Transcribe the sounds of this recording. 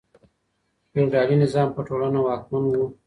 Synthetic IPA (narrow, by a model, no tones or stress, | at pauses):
pewɖɑlinɪzɑːmpəʈolanawɑk̚manwu